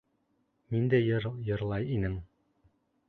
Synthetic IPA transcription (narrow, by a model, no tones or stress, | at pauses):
mind̪æɾjɤ̆ɾlˠɑjinɘŋ